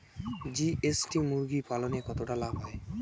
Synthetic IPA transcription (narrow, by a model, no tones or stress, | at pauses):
d͡ʑiʔesʈimuɾɡipalonekɔt̪oʈalabʱɦɔe